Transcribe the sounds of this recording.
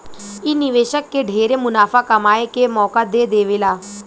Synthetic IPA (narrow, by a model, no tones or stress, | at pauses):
ɪnɪʋeːʃəkːeɖʱeːɾemʊnaːfakɐmaːekemɔːkad̪ed̪eːʋɪlaː